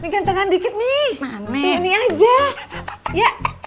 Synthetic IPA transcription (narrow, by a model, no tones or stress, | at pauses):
nikant̪əŋandikɪt̪̚nɪanɛiniad͡ʒa | jaʔ